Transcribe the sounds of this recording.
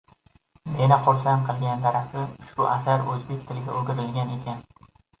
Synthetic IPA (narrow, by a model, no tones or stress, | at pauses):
menɪqʰoɾsanqʰɨlˠɡʲand̪aɾafɪʃʊʔasaɾɵzbe̞kʲt̪ʰɪlɡʲaɵɡʲɪɾɪlɡʲane̞kʲʰan